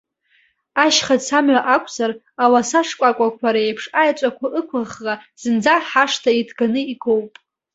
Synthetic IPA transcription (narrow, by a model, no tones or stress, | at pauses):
aʃχat͡sʰamɥaʔakʷʼʰzar | awasaʂkʷʼakʷʼakʷʰaɾaejpʰʂajt͡ʃʷʼakʷʰaʔɨkʷʰaχːaz̥ɨnd͡zaħaʂtʰaidʰɡanɨiɡowpʼ